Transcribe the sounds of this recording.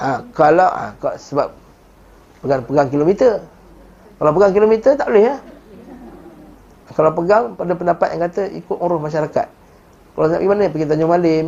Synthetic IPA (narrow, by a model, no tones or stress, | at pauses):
ʔakalawa̰ksəbap̚ | pəɡaŋpəɡaŋkilomit̪ər | kalawpəɡaŋkilomit̪ət̪aʔbolɪha | akalawpəɡaŋpadapəndapat̪̚jaŋkat̪əʔḭkʊt̪ŋuɾʊhmaʃ̬aɾaka̰t̪̚ | kalasapɡimanəpəɡit̪aɲomaləm